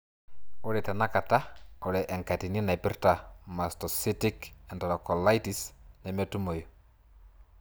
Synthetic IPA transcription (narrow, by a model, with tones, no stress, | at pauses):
ʊ˦lɛ˨ta˨na˦ka˨ta˦o˨lɛ˨ʔɛ˨ŋka˨ti˨ni˦na˨pɪ˦rta˨mastɔ˨si˦tɪkɛ˨ntɔ˨ɾɔ˨kɔ˨la˦jtisnɛ˨mɛ˦tu˦mo˨jo˨